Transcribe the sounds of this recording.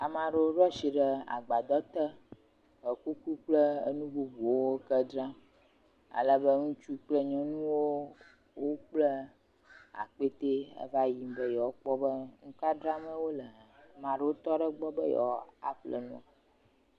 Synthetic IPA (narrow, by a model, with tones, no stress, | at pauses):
a˨mã˨ɖə˦o˦ɖɔ˦si˨ɖə˨a̰˨ɡ͡ba˨d̪ɔ˦t̪ə˦ | ə˨ku˦ku˦k͡plə˦ə̰˦nũ˦bu˦bu˨o˦wo˦kə˦ɖɾa˦ | a̰˨lə˦bə˦ŋũ˦t͡ʃu˦k͡plə˦ɲɔ̃˦nũ˦wo˦ | wo˦k͡plə˦ | a̰˨k͡pe˦t̪e˦ə̰˦va˦ji˨mbə˦jɔ˨˦k͡pɔ˦bə˦ŋũ˦ka˦dɾa˦mə̃˦wo˦lə˨mã˨ɖə˦wo˦t̪ɔ˦ɖə˦ɡ͡bɔ˦bə˦jɔ̰˨a̰˨ɸlə̰˨nɔ̰̃˨˦